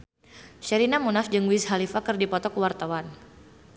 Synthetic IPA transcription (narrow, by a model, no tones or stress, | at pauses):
ʃɛɾinamunafd͡ʒɨŋwisɦalifakɨrdipɔt̪ɔkəwart̪awan